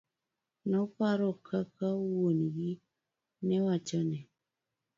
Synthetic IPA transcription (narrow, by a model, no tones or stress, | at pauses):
nɔpaɾɔkʰakawonɡi | nɛwat͡ʃɔnɛ